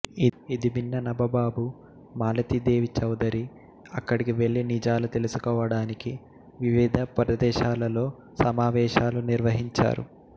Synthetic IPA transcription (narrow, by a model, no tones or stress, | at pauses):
iid̪ibinːɐnɐbɐbaːbu | maːlɐt̪id̪e̞ːʋit͡ʃɐwd̪ɐɾi | ɐkːɐɽikiʋe̞ɭːinid͡ʒaːlut̪e̞lusu̥kɔːʋɐɽaːniki | ʋiʋid̪ʱɐpɾɐd̪ɛːʃaːlɐlo̞ː | sɐmaːʋɛːʃaːluniɾʋɐɦiɲt͡ʃa̰ːɾṵ